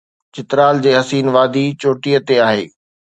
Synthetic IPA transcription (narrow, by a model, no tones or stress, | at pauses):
t͡ɕɪt̪ɾaːld͡ʑeːɦɐsiːnʋaːd̪ʱit͡ɕoːʈijət̪eaːɦḛː